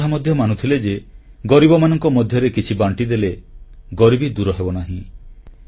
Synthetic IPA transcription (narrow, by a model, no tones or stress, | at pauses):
amɔd̪ʱjɔmanut̪ʰiled͡ʒeɡɔɾibɔmanɔŋkɔmɔd̪ʱjɔɾekit͡ʃʰibaɳʈid̪eleɡɔɾibid̪uɾɔɦebɔnaɦĩ